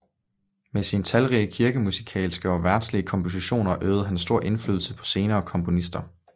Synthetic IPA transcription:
mesint͡sʰælʁiəkʰiɐɡ̥əmusi̥kʰɛ̰ːlsɡ̥əɒʋæɐd̥sliəkʰɒ̽mpʰo̝s̬iɕo̝̰ːnɐʔøːð̞̩ˠɦænsd̥o̝ɐ̰ʔe̝nfly̰ðˠl̩səpʰɒ̥̽se̝ːnɐːkʰɒ̽mpʰo̝nisd̥ɐ

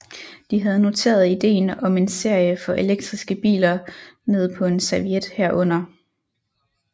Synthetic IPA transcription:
d̥iɦæð̞ˠno̝t͡sʰe̝̰ːɐð̞̩ˠid̥e̝̰ːnɒ̽me̝nse̝ɐ̰jəfɒ̽ʔe̝leɡ̥̚d̥ʁisɡ̥əb̥ḭːlɐne̝ð̞ˠpʰɒ̽e̝nsæʋied̥hæɐ̰ʔɔ̽n̰ɐ

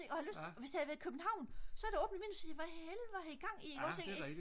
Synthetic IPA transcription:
eʔɒhæløst͡sʰeɒʋesd̥ihæðˠʋæɐð̩ˠkʰøb̥n̩hɑ̈ʊ̰nsɒ̽æɐd̥eɔ̽ːb̥n̩əmḭːnusiʋæelʋɑhæiɡ̥ɑ̈ŋ̰iɡɒ̰se

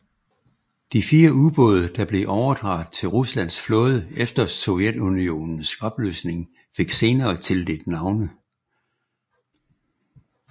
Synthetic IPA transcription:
d̥ifiːɐʔuðˠb̥ɔ̽ð̞ˠɐd̥ɑ̈b̥le̝ʔɒʊɐd̥ʁɑ̈ːð̩ˠt͡sʰe̝lʁuslæn̰sflɔ̽ːð̞ˠəefd̥ɐsojed̥unio̝̰ːnn̩sɒ̽b̥lø̰ːsne̝ŋ | fe̝ɡ̥se̝ːnɐːt͡sʰe̝ld̥e̝d̥nɑ̈ʊnə

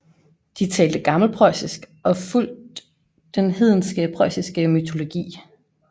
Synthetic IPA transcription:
d̥it͡sʰɛːld̥əɡ̥ɑ̈ml̩pʰʁɒ̽ɪsisɡ̥ | ʔɒ̽ful̰d̥ː | enɦe̝ð̞̰ˠn̩sɡ̥əpʰʁɒɪ̰sisɡ̥əmyt͡sʰo̝lo̝ɡ̥ḭː

